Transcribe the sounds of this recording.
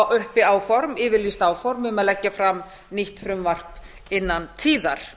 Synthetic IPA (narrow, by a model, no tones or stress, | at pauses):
wʔʏhpɪaːwfɔɾmɪːvɪɾlist̪aːwfɔɾmʏmaðlɛcːafɾam | niht̪fɾʏmvar̥p | ɪnːant̪ʰiːðaɾ̥